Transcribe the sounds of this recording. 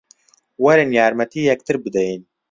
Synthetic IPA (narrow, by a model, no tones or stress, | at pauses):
wɐɾənjaːɾmɐt̪iːjɛk̚t̪ʰɨɾbɨd̪ɛjn